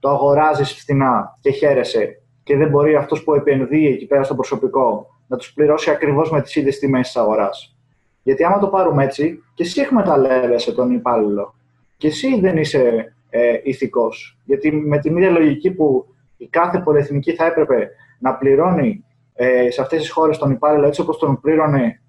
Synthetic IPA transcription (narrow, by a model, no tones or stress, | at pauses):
t̪oɐɣo̞ɾɐzisi̥ft̪inɐce̞çe̞ɾe̞se̞ | ceðe̞mbo̞ɾiɐft̪o̞spue̞pe̞nðiecipe̞ɾɐst̪opɾoso̞piko̞ | nɐt̪u̥spliɾo̞siɐkɾivo̞zme̞t̪i̥siðʝe̞st̪ime̞st̪i̥sɐɣo̞ɾɐs | ʝɐt̪iɐmɐt̪o̞pɐɾume̞t͡sice̞siekme̞t̪ɐle̞ve̞se̞t̪o̞nipɐlilo̞ | ce̞siðe̞nise̞ | iθiko̞sʝɐt̪ime̞t̪iniðʝɐlo̞ʝicipu | ikɐθe̞po̞lie̞θniciθɐe̞pɾe̞pe̞ | nɐpliɾo̞ni | seɐft̪e̞sisxo̞ɾest̪o̞nipɐliloe̞t͡sio̞post̪o̞npliɾo̞ne